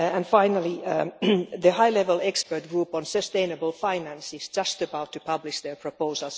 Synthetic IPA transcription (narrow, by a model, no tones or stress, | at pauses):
æ̃nfãɪnəli | ðəhaɪlɛvəlˠɛkspə˞t̚ɡ̥ɹuːpɔ̃nsəstẽɪ̃nəbəlˠfãɪnæ̃nsɪsd͡ʒʌstəbaʊtʰːɨpʰʌblɪʃðə˞pʰɹ̥opoʊsəlˠs